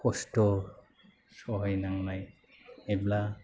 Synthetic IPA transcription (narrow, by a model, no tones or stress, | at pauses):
kɔstɔ | sɔɦɔjnaŋlaj | ebla